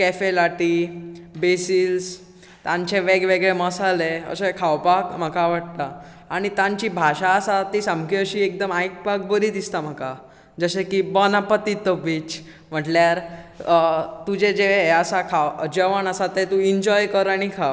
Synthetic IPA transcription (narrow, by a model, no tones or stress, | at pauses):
kefelaʈibesils | t̪ãɲt͡ɕeʋeɡʋeɡɭeməsaleə̰sekʰawpakm̤əkaʋaɽt̪aː | ɽ̃it̪ãɲt͡ɕibʱaɕaːsat̪isãmkiəɕiːek̚d̪əmajk̚pak̚bəɾiːd̪ist̪am̤əka | d͡zəɕekibɔnapət̪it̪əbiːt͡ɕ | m̤əʈljaɾ | t̪ud͡ʑed͡ʑeʋeəsakʰawəd͡ʑeʋəɳəsat̪et̪ũiɲd͡ʑɔjkəɾaɽ̃ikʰa